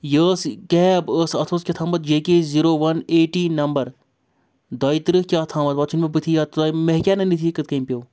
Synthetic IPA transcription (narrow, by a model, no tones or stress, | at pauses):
jəːskeɦbəːsɐt̪ʰoːskʲet̪ʰaːmbɐt̪d͡ʒeːkeziɾoːʋɐneːʈiːnɐmbɐɾ | d̪ɐːit̪ɾɨhkʲaːt̪ʰãːmɐt̪ʋɐt͡ʃʰunmebɨt̪ʰijat̪ːmeɦkʲanɐnit̪ʰiːkɨt̪̚kɐimpʲjoː